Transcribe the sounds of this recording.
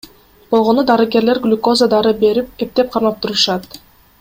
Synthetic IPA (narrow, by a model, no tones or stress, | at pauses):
b̥olˠʁo̞nud̪ɑɾɯɡe̞ɾleɾɡlʲuko̞zad̪ɑɾɯbe̞ɾip̚e̞p̚t̪e̞p̚qʰɑɾmɑp̚t̪uɾuʃɑt̪